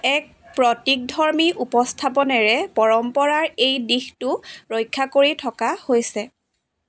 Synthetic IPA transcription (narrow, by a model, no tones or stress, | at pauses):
ɛk̚pɹɔtik̚dʱɔɹmiʔupɔstʰapɔnɛɹɛpɔɹɔmpɔɹaɹejdixtʊɹojkʰːakoɹitʰɔkahojsɛ